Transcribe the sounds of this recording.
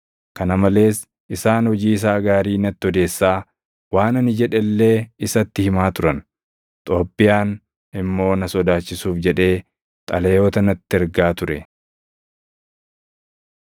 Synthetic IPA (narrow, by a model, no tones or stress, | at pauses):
kɐnɐmɐle̞ːs | ʔɪsaːnhɔd͡ʒiːɪs̬aːɡaːɾiːnɐt̪ːɪɔd̪e̞ːsːaː | waːnɐnɪd͡ʒɛᶑɛlːe̞ːɪsɐt̪ːɪhɪmaːt̪ʊɾɐn | t̪ʼoːpːɪjaːn | ɪmːo̞ːnɐsɔd̪aːt͡ʃːɪsuːfd͡ʒɛᶑe̞ː | t̪ʼɐlɛjo̞ːt̪ɐnɐt̪ːɪɛɾɡaːt̪ʊɾɛ